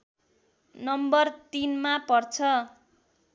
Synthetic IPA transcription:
nʌmbʌrt̪inmapʌrt͡sʰʌ

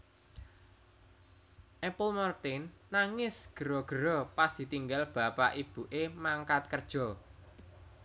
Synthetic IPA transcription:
ʔɛpʊlmɔrt̪ɪnːaŋɪsɡ̥əɾɔɡ̥əɾɔpasd̪̥i̤t̪iŋɡalb̥a̤pa̰ʔib̥uʔemaŋkat̪̚kərd̥ʒ̥ɔ

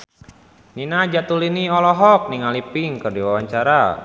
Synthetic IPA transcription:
ninad͡ʒat̪uliniɔlɔɦɔk̚niŋalipiŋkərdiwawaɲt͡ʃaɾa

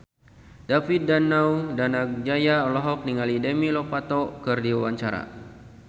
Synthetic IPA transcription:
dafit̪̚danawdanak̚d͡ʒajaɔlɔɦɔk̚niŋalidɛmilɔpat̪ɔkɨrdiwawaɲt͡ʃaɾa̰

